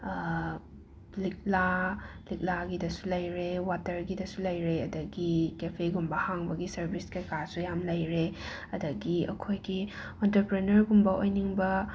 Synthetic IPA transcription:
lik̚lalik̚laɡidɐsu̥lɐjɾewatɐɾɡidɐsulɐjɾeɐdɐɡikepʰeɡumbɐhaŋbɐɡisɐɾbiskɐjkasujamlɐjɾe | ɐdɐɡiɐ̰kʰojɡi | entɐpɾenɐɾɡumbɐʔojniŋbɐ

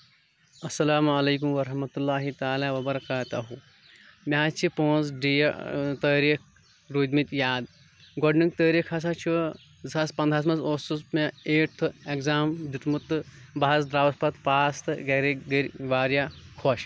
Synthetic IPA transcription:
ɐsːɐlaːmɐleːk̬umʋɐɾɐhmɐt̪ulːaːɦit̪aːlaːʋɐbɐɾɐkaːt̪ɐɦu | mʲaːt͡ʃʰipõːnzɖijt̪əːɾiːk̚ʰ | ɾuːd̪ʲmit̪ʲjaːd̪ | ɡɔɖniŋk̚t̪əːɾikʰɐs̬at͡ʃʰu | zɐspɐ̃nd̪ʱas̬mɐsoːsusmeeːʈ̚ʰt̪ʰɨekzaːmd̪it̪mut̪ɨbaɐzd̪ɾaːʋɐspɐt̪paːst̪ɨɡɐɾiɡɐɾʋaːɾjakʰoʃ

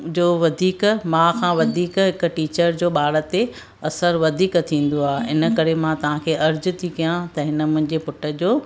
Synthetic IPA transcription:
d͡ʑoːʋɐd̪ʱiːkmãkʰãːʋɐd̪ʱiːkɦɪk̆ʈiːt͡ɕəɾd͡ʑoːɓaːɽət̪e | ɐsəɾʋɐd̪ʱiːkt̪ʰĩːn̆d̪oaːɦeɪnə̆kɐɾemãt̪ɐʋ̤ãkʰeːʔɐɾd͡ʑʊ̆t̪ʰikijãt̪ɐɦɪnə̆mʊ̃ɦɪ̃ɲd͡ʑepʊʈə̆d͡ʑoː

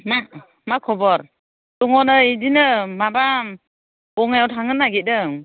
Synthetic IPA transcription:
ma | makʰɔbɔɾ | tɔŋɔnɯidinɯmaba | ɔŋajawtʰaŋɯnːaɡit̚dɯ

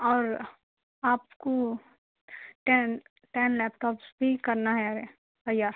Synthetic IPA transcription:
ɔːɾ | aːpko | ʈɛn | ʈɛːnlɛːp̚ʈɔːpsbʱikɐɾnaɦɛjaːɾɛ | t̪ɐjaːɾ

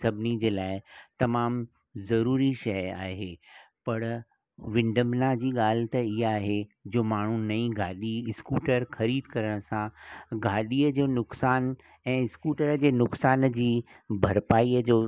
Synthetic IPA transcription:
sɐbʱɪnid͡ʑeːlaːɪt̪ɐmaːm | zɐɾuːɾiʃɐja̰ːɦe | pɐɾ | ʋɪ̃ɳɖəmnad͡ʑiːɠaːl̤ɪt̪ɐɪɦaːɦed͡ʑoːmaːɳ̤unɐĩɡʱaːɗiɪskuːʈəɾxɐɾiːd̪kɐɾəɽ̃sãɡʱaːɗiːəd͡ʑoːnʊksaːn | ɛ̃ːɪskuːʈəɾd͡ʑeːnʊksaːnd͡ʑiː | bʱɐɾpaːiːəd͡ʑoː

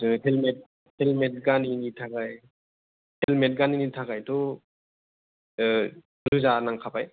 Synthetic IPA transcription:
ɯtʰelmet̚ | helmet̚ɡaninitʰakaj | hʰelmet̚ɡaninitʰakajtɔ | ɾuzanaŋkʰapaj

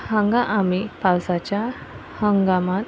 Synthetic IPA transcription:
həŋɡaʔamipawsat͡ɕja | həŋɡamat̪

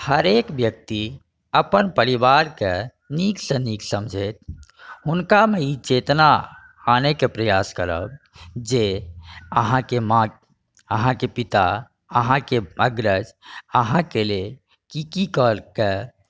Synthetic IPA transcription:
həɾekbjək̚t̪i | əpənpəɾibaɾke | niksə̃niksə̃md͡ʒʱet̪̚ʰɦʊnkameit͡ʃet̪naː | nekepɾəjaskəɾə̰b | d͡ʒe | əɦãkemã | əɦãkepit̪a̰ | əɦãkeəɡɾəd͡ʒəɦãkele | kikikɔlke

